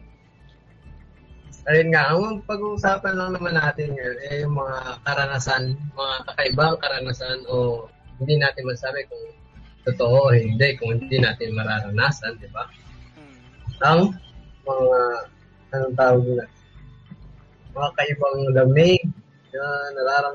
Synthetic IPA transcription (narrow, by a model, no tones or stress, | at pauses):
ɐjonŋaʔɐŋɐŋpɐɡuʔːsaːpɐnlɐŋnɐmanːaːt̪ɪnŋɐjonʔɛjŋmɐŋakɐɾɐnasanmɐŋakɐkɐʔɪbaŋkɐɾɐnasanʔo̞ | hɪnd̪inaːt̪ɪnmɐɡ̚saːbɪkʊŋ | t̪ot̪oʔohɪnd̪ɛʔkʊŋhɪnd̪inaːt̪ɪnmɐɾaːɾɐnaːsɐnd̪ɪba | ʔɐŋmɐŋa | ɐnʊŋt̪aːwoɡna | mɐŋakɐʔɪbaŋd̪ɐmɪ | ɐŋanɐɾaːɾɐn